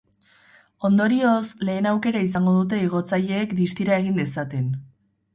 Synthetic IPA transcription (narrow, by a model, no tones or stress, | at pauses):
o̞nd̪o̞ɾio̞sle̞ːnawke̞ɾais̬aŋɡo̞ðut̪̬e̞iɣ̞o̞t͡saʎe̞ːkd̪ist̪iɾae̞ɣ̞ind̪esat̪e̞n